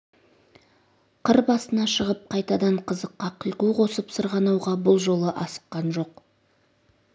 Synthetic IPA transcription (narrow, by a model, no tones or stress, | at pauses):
qʰəɾbɑsənɑʃəʁəp̚qʰɑjt̪ɑd̪ɑɴqʰəzəqːɑqʰəjquqʰo̞səpsəɾʁɑnɑwʁɑbʊlˠʒo̞lˠəʔɑsə̥qːɑnʒo̞q